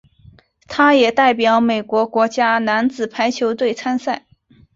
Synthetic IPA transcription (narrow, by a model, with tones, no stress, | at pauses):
t̪ʰa˥jɛ˨˩t̪a˥˩ɪp̬jɑ˧˥ʊme˨˩ɪkwɔ˧˥kwɔ˧˥t͡ɕja˥na˧˥nt͡sɹ̩˨˩pʰa˧˥ɪt͡ɕʰjo˧˥ʊt̪we˥˩ɪt͡sʰa˥nsa˥˩ɪ